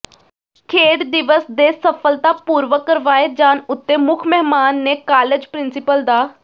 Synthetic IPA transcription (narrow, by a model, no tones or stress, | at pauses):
kʰeːɽd̪ɪʋəsd̪eːsəpʰəlt̪aːpuːɾʋəkːəɾʋaːed͡ʒaːnʊt̪ːeːmʊkʰmɛɦmaːnːeːkaːled͡ʒpɾɪnsɪpəld̪aː